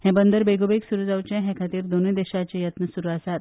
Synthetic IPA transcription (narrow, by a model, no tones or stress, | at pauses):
hɛ̃bənd̪əɾbeɡobeksuɾud͡zawt͡ɕɛ̃ɦɛ̃kʰat̪iːɾd̪oned̪eɕat͡ɕejət̪nəsuɾuasat̪̚